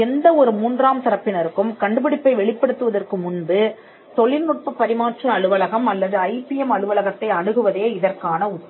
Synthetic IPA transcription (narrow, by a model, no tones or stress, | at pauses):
ɛnd̪ɐɔɾɯmuːndraːmt̪ɐɾɐpːɪnɐɾɯkːɯmkɐɳɖɯpɪɽɪpːɐɪʋɛɭɪpːɐɽɯt̪ːɯʋɐðɐrkɯmʊnbɯ | t̪ɔɭɪnʊʈ̚pɐpːɐɾɪmaːʈrɯɐɭɯʋɐlɐɣɐmɐlːɐðɯɐɪpɪɛmɐɭɯʋɐlɐɣɐt̪ːɐɪɐɳɯɣɯʋɐðeːɪðɐrkaːnɐʊʈː